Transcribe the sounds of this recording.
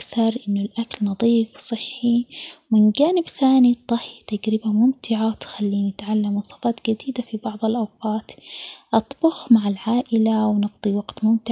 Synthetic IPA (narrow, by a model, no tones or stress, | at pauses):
kθɑɾˤʔɪnːʊlʔaklnɑðˤiːfwsˤɨħːimɪnɡaːnɪbθaːnit̪ˤːɑħjat̪aɡɾɪbamʊmt̪ɪʕawt̪xalːiːnɪt̪ʕalːamwɑsˤɑːfɑːt̪ɡad̪iːd̪afibɑʕðˤɑlʔɑwqɑːt̪ʔɑt̪ˤbʊxmaʕalʕaːʔɪlawnɑɡd̪ˤiwɑɡt̪mʊmt̪ɪʕ